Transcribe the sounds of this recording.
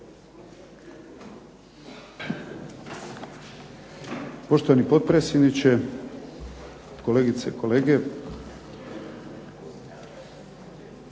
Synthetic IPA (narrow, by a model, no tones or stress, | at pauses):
po̞ʃt̪oʋanipo̞t̪̚pɾesjed̪nit͡ɕe | ko̞leːɡit̪seikʰo̞leːɡe